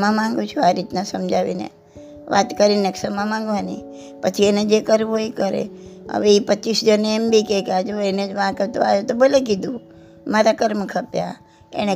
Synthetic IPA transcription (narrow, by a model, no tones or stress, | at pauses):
mãmãŋɡũt͡ʃʰuaɾit̪nasəmd͡ʒʱaʋḭnḛ | ʋa̰t̪kəɾineksəmãmãŋɡʋani | pət͡ʃʰiened͡ʒekəɾʋoikəɾḛə̰ʋeipətːt͡ʃisd͡ʒəneembikekad͡ʒoened͡ʒʋãket̪oajot̪obəlek̬id̪ũ | maɾakəɾməkʰəpja̰ | ḛñe